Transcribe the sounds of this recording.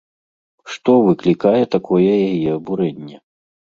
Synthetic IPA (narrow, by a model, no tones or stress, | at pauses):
ʂt̪ɔvɨklʲikajɛt̪akʰɔjɛjajɛɐbuɾɛnʲːɛ